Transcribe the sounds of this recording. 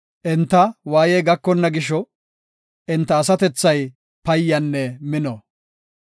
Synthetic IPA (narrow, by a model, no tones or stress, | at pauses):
ʔɪnt̪ːɐwaːjɛjɡɐkːɔnːɐɡɪʃɔ | ʔɪnt̪ːɐːsɐt̪ɛt͡sːɐj | pɐjːɐnːɛmɪnɔ